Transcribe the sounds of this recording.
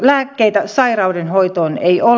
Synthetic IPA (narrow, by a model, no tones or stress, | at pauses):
læːkːeit̪æsɑirɑudenhoit̪oːnḛio